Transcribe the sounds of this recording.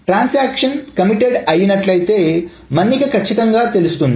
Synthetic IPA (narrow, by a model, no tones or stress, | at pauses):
ʈɾansækɕənkəmiʈeɽajinɐʈlajt̪e | mənːikəkət͡ɕʰit̪əŋɡat̪elst̪uːn